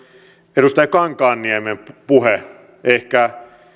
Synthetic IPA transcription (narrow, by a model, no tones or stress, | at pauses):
edust̪ɑjkɑŋkɑːnːiæmempuhe | ehkæ